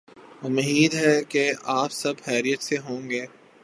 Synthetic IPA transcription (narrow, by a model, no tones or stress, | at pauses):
ʊmɦiːd̪ɦɛkeaːpsɐbhɛːɾijət̪seɦõːŋɡeː